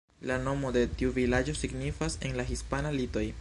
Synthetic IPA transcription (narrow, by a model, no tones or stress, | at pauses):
lano̞mo̞de̞tiuvilad͡ʒo̞siɡnifase̞nlaxispanalito̞j